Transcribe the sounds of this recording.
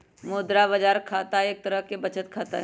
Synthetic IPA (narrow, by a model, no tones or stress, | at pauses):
moːd̪ɾabɐd͡ʒaːɾkʰaːt̪aeːk̚t̪ɐɾəɦkebɐt͡ʃʰət̪̚kʰaːt̪a̰ɦ